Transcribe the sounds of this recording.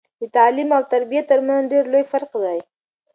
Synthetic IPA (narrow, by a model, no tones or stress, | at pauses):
d̪ət̪ɑlimawt̪aɾbijat̪ːəɾmanɖeɾlojfaɾqd̪aj